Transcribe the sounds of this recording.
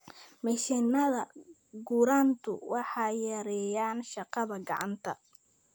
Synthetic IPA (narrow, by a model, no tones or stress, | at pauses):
mɛʃɛnːɐðɐ | ɡuːɾaːnt̪ʰʊ̰wɑħɑːjɛɾɛjaːnʃɑqɑðɐɡɑ̰ʕɑ̰nt̪ʰɐ